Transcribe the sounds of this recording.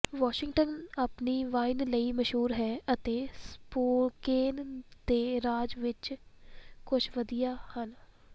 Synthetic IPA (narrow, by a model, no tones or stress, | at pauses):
ʋaːʃɪŋʈənapniːʋaːɪnləiːməʃɦuːɾɦɛːʔət̪eːspoːkeːnd̪eːɾaːd͡ʒʋɪt͡ʃ | kʊt͡ʃʰʋəd̪ijaːhən